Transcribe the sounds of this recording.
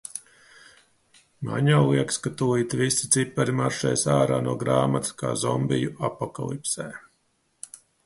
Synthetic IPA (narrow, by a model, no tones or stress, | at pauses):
ma̰ɲawlˠiɛkskat̪uiːt̪visi̥t̪sipːaɾimaɾʃɛ̰jsaːɾaːnuɔɡɾaːmat̪ska̰ːzɔmbijuapːɔka̰lˠipsɛː